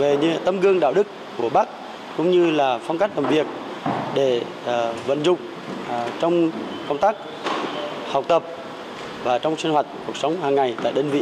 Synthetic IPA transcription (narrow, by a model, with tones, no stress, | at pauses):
ve˨˩ɲɨ˧t̪ə˧mɣɨ˧əŋɗa̰ː˧˨wɗɨ˦˥kːu˧˩əɓa˦˥k̚ | kʊ̰˧˥ŋ͡mɲɨ˧laː˨˩fɔ˧ŋ͡mka˦˥jk̟̚laː˨˩mvi˨˩ək̚ | ɗe˧˩ | və̰˧˨nzʊ̰˧˨ŋ͡m | t͡ɕɔ˧wŋ͡mkə˧wŋ͡mt̪aː˦˥k̚ | ha˨˩wk͡p̚t̪ə˨˩p̚ | vaː˨˩t͡ɕɔ˧wŋ͡msi˧nwa˨˩jt̟̚ku˨˩ək̚sə˨˦wŋ͡mɦaː˨˩ŋːa˨˩jt̪a̰ː˧˨jɗəː˧nvḭ˧˨